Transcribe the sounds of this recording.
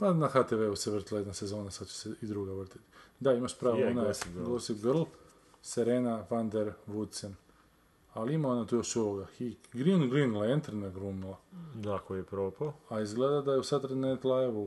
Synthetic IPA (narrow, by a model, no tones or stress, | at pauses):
panaxat̪eʋeuseʋr̩t̪ilajed̪nase̞zo̞ːnasad̪t͡ʃe̥seid̪ɾuɡaʋr̩t̪i̥t̪i̥d̪aimaʃpɾaːʋoonajɡosiɡrlˠ | seɾeːnafand̪eɾʋut̪sen | alimaonat̪ujoʃuʋoɡaxikɡɾiunɡɾinlˠaent̪ɾnaɡɾuːmilˠad̪akojepɾopaoaizɡleːd̪ad̪ajeusat̪ɾed̪net̪lˠajeʋu